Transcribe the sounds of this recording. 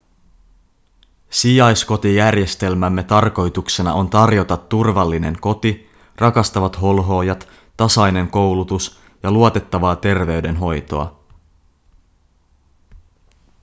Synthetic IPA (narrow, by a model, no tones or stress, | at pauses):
sijɑjsko̞t̪ijærje̞st̪e̞lmæmːe̞t̪ɑrko̞jt̪ukse̞nɑ̰o̞nt̪ɑrjo̞t̪ɑt̪ːurʋɑlːine̞ŋko̞t̪i | rɑkɑst̪ɑʋɑt̪ɦo̞lɦo̞ːjɑt̪ː | ɑsɑjne̞ŋko̞wlut̪us | jɑluot̪et̪ːɑʋɑːt̪e̞rʋe̞yɥde̞nɦo̞jt̪o̞̰ɑ̰